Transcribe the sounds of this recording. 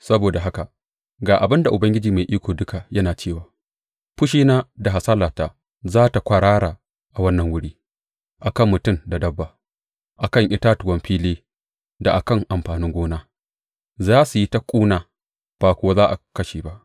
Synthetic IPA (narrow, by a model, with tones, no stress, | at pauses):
sɐ˦boː˨da˨ɦa˦ka˨ | ɡaː˨ʔa˨bɪ˦nda˨ʔʊ˨bɐ˦ŋɡʲɪ˦d͡ʒiː˨ma˨jʔiː˦kʷoː˨dʊ˦ka˨jɐ˦naː˨t͡ʃeː˦˨waː˨ | ɸʊ˦ʃiː˦naː˦da˨ɦa˨saː˦laː˨taː˨ | zaː˦ta˨kʷa˨ɽaː˦ɽaː˨ | ʔa˨wɐ˦nːɐ˨ŋwʊ˦ɽiː˦ | ʔa˨kɐ˦˨mːʊ˨tʊ˦˨mda˨dɐ˦bːa˨ | ʔa˨kɐ˦˨ŋʔɪ˦taː˦tʊ˨wɐ˦mɸiː˦leː˦ | da˨ʔa˨kɐ˦˨ŋʔa˨mɸaː˨nɪ˦ŋɡʷoː˦naː˦ | zaː˦su˨ji˦ta˦kʷʼuː˦naː˨ | b̥aː˨kʷʊ˨wa˦zaː˦ʔa˨kɐ˦ʃeː˨ba˦ʔ